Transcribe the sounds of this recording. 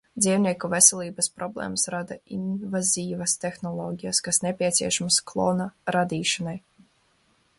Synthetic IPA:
d̪ziːwnʲiɛkuvɛsɛlʲˠiːbaspɾɔblˠɛ̰ːmasɾad̪ainvazʲiːvast̪exnɔlˠɔːɡʲijaskasnʲepʲiɛt̪sʲḭɛʃamasklˠɔːnaɾad̪iːʃanaj

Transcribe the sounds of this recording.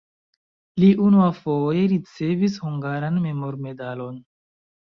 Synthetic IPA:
liʔunuafoje̞ɾit͡se̞vishuŋɡaɾanme̞moɾme̞dalo̞n

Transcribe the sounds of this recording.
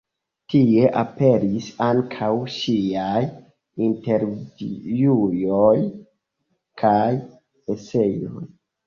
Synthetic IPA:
tie̞ʔape̞ɾisaŋkʰawʃiaj | inte̞ɾvijujoj | kʰaj | ese̞jo̰j

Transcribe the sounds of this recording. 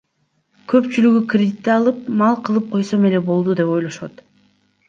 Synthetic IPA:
kʰø̞pt͡ʃylyɡykrʲed̪ʲit̪ːeɑlˠɯp̚mɑlˠqʰɯlˠɯp̚qʰo̞jso̞me̞le̞bo̞lˠd̪ud̪e̞po̞jlˠoʃo̰t̪

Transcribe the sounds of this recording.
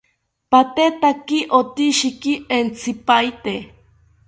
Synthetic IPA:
pat̪et̪akiʔot̪iʃikient͡sʰipajt̪e

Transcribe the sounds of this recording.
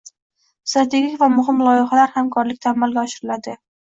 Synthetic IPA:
st̪ɾat̪ʰe̞ɡʲikʲvamʊɦɪmlˠɒjɪχalaɾhamkʰɒɾlɪk̚ʲt̪ʰaːmːalˠɡʲaɒʃɪɾɪlad̪ɪ

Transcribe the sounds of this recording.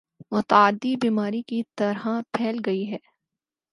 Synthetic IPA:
mʊt̪ːd̪ːibiːmaːɾikit̪ɐɾɦapʰɛːlɡɐiɦɛː

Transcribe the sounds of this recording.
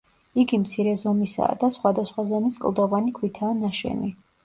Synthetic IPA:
iɡimt̪sʰiɾɛzɔmisa̰ːd̪asχwad̪asχwazɔmiskʼlˠd̪ɔvanikʰwit̪ʰaːnaʃɛ̰ni

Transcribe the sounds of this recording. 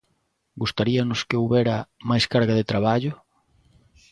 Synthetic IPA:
ɡust̪aɾiɐnʊskeuβɛɾɐmajskaɾɣaðet̪ɾaβaʎʊ

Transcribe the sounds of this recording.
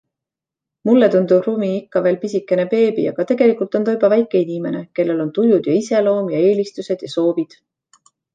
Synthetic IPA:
mulːet̪und̪̥ub̥rumiikːɑve̞ːlpisikːˑe̞nepe̞ːbḭɑɡ̥ɑt̪e̞ɡ̥e̞likult̪ˑo̞nt̪ojbɑvæjkːˑe̞inime̞ne̞ke̞lːe̞lo̞nt̪ujud̪̥jɑise̞lo̞ːmjɑe̞ːlist̪use̞d̪̥jɑso̞ːvid̪̥

